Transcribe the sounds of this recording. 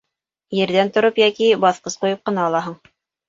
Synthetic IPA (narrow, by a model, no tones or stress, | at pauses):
jɘ̆ɾðænt̪ŏɾopjækibɑθqɤsqujɤp̚qɤ̆nɑːlˠɑɦɤɴ